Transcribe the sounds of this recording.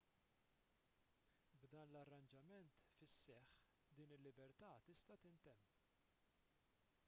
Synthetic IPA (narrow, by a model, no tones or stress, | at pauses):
bd̪ɐːnlɐrːɐnd͡ʒɐmɛnt̪fɪsːɛħ | d̪iːnɪlːɪbɛɾt̪ɐːt̪ɪst̪ɐt̪ɪnt̪ɛmː